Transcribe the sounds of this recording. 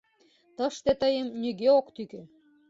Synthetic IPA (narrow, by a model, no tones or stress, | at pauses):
t̪ɤ̆ʃt̪et̪ɤjɤ̆mnʲyɡeokt̪ykĕ